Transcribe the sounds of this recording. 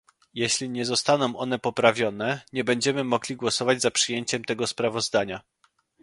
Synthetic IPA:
jeɕlʲiɲɛzɔst̪anɔ̃w̃ʔɔnɛpɔpɾavʲjɔn̪ɛɲɛbɛɲd͡ʑɛmɘmɔɡlʲiɡwɔsɔvad͡ʑʲzapʂɘjeɲt͡ɕɛmt̪ɛɡɔspɾavɔzd̪aɲa

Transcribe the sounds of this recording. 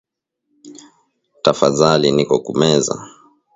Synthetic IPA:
tafaðalinikɔkumɛza̰

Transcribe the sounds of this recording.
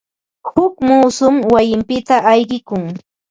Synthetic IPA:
hʊkmuːsʊmwajɪmpɪt̪aʔajɢɪkʊŋ

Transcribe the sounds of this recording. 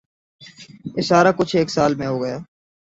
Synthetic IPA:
ɪsaːɾaːkʊt͡ʃʰeːksaːlmẽɦoːɡəjaː

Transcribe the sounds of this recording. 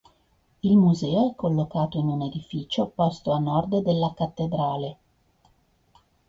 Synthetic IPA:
ilmuzɛːoɛkːolːokaːt̪oinuned̪ifit͡ʃopɔst̪oanːɔrd̪ed̪elːakat̪ːed̪ɾaːle

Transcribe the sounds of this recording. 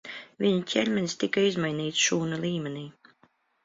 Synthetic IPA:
vʲiɲuc̪ʲɛlʲmʲɛnʲst̪ikaizmajniːt̪sʃuːnalʲˠiːmʲɛniː

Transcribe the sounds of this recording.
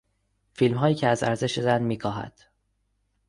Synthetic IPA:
filmɦɒːjiːcʰeæzæɾze̞ʃezænmiːkʰɒːɦæ̰d̪̥

